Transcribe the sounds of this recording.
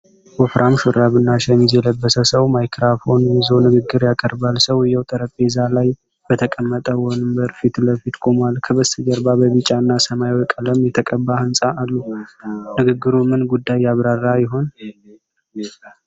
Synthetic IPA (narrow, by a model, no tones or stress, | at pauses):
wɔfɾʔamʃʊɾaβɨnːaʃɛɲizjɛləbːəsəsəwmajkɾafo̞nɨzonɨɡɨɡːɨɾjakʼəɾbalsəwjɛwt̪ʼəɾəpʼezalaj | b̥ət̪ʰəkʼəmːət̪ʼəwɔnɨmbəɾfit̪ləfit̪kʼomalkʰəβəsɨd͡ʒəɾbabəβɨt͡ʃʼaɨnːasəmajwɔkʼələmjɛt̪ʰəkʼəbːahɨnsʼaːlːunɨɡɨɡːɨɾumɨnɡud̪ːajːaβɾarːajɪɦo̞n